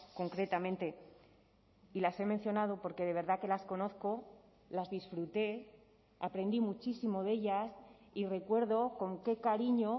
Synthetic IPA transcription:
ko̞ŋkɾe̞t̪amẽnt̪e̞ | ilase̞mẽ̞n̟θjo̞nað̞o̞po̞ɾke̞ð̞e̞βe̞ɾðake̞lasko̞no̞θko̞ | lazðisfɾut̪e̞ | apɾe̞nd̪imut͡ʃisimo̞ðe̞ʎas | ire̞kwe̞ɾðo̞ko̞ŋke̞kaɾiɲo

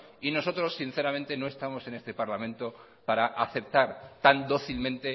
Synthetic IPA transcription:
ino̞so̞t̪ɾo̞sːinθe̞ɾamẽnt̪e̞no̞e̞st̪amo̞se̞ne̞st̪e̞paɾlamẽnt̪o̞ | paɾaʔaθe̞p̚t̪aɾt̪and̪o̞θilmẽnt̪e̞

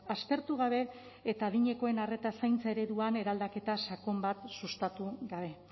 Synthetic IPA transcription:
aspe̞ɾt̪uɣ̞aβe̞ː | t̪aːðiɲe̞ko̞e̞nare̞t̪asajnt͡sae̞ɾe̞ðuane̞ɾald̪ake̞t̪asakombat̪sust̪at̪uɣaβ̞e̞

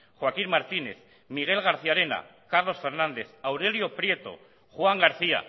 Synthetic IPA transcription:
xwakinmaɾt̪ine̞̰θ | miɣ̞e̞lɣ̞aɾθiaɾena̰kaɾlo̞sfe̞ɾnãnd̪e̞θawɾe̞ljopɾje̞t̪o̞̰ | xwaŋɡaɾθia̰

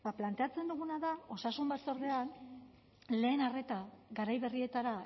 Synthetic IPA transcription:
baplant̪e̞at͡se̞nd̪uɣunaðao̞sasumbat͡so̞ɾðe̞an | le̞ːnare̞t̪aɡaɾajβe̞rie̞t̪aɾa

